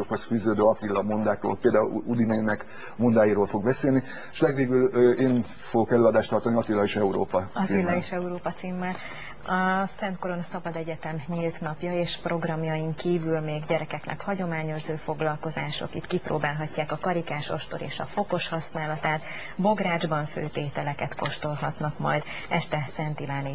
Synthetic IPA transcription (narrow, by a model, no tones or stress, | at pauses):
okho̞sfyːzøːd̪øːɒt̪ilːɒmond̪aːkro̰ːlpeːld̪aːulud̪inɛinɛk | mond̪aːjiːɾoːlfo̞ɡ̚bɛseːlni | eʃlɛɡʋeːɡylːeːn | foɡokɛløːɒd̪aːʃt̪ɒrt̪ɒniɒt̪ilːɒiʃɛuɾo̰ːpɒɒsiilːɒiʃɛuɾoːpɒt̪siːmːɛl | ɒsɛnt̪̚ko̞ɾo̞nɒsɒbɒd̪ɛɟɛt̪ɛmɲilt̪nɒpjɒeːʃpro̞ɡrɒmjɒjiŋkiːvylmeːɡɟɛɾɛkɛknʔɛ̰khɒɟo̞maːɲo̞ʒzøːfo̞ɡlɒlko̞zaːʃo̞̰kit̪kipro̰ːbaːlɦɒcːaːkɒkɒɾikaːʃoʃt̪oɾḛːʃɒfo̞ko̞ʃhɒsnaːlɒt̪aːt̪ | bo̞ɡraːd͡ʒbɒɱfø̰ːt̪eːt̪ɛlɛkɛt̪ko̞ʃt̪o̞lɦɒt̪nɒkmɒjd̪ | ɛʃt̪ɛsɛnt̪ilaːni